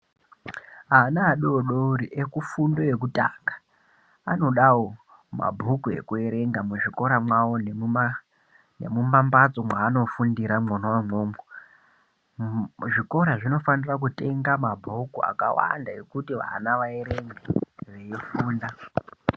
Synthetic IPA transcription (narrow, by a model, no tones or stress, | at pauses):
ɦaːnaːɗooɗouɾiʔekufundo̞ek̬uta̰ːŋɡḁ | ano̞ɗawo | ma̰bʱukue̞̰kue̞ɾe̞ŋɡamuʐiko̞ɾamwawonea | ne̞̰mumambat͡so̞mwaːno̞fundiɾamonowamoːmo | ʐiko̞ɾaʐino̞fanirak̬ute̞ŋɡamabʱukua̰ka̰wa̰ndaekutiʋa̰naʋae̞ɾeŋɡeʋejefuːnda